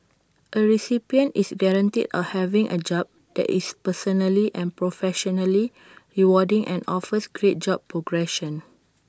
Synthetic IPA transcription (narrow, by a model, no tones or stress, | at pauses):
ʔəɹisipiə̃ntisɡɛɹãntḭdɔ̰hɛvĩŋʔə̰d͡ʒɔb̚ | dɛ̰ʔispəsɔnəliʔɛ̃npɹofɛʃɔnəli | ɹiwɔdĩŋʔɛ̰̃nɔfəsɡɹet̚d͡ʒɔb̚pːɹoɡɹɛʃə̃n